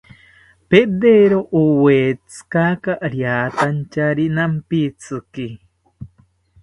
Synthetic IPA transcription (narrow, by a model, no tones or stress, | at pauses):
ped̪eɾoʔuwet͡sɨ̥kakaʔɾjat̪ant͡ʃaɾinampit͡sɨki